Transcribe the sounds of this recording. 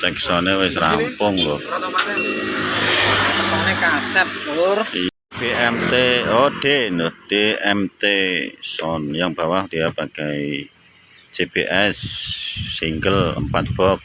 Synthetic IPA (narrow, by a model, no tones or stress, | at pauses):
t̪ɛksɔnewɪsɾa̰mpʊŋlɔ | əɔŋnekasɛp̚dori | b̥eʔɛmt̪eoɖ̥enɔd̥eɛmt̪esɔnjaŋb̥a̤wahd̪̥iab̥a̤ɡ̥ai | d͡ʒ̥ebḛʔɛsː | iŋɡələ̰mpat̪̚b̥ɔp̚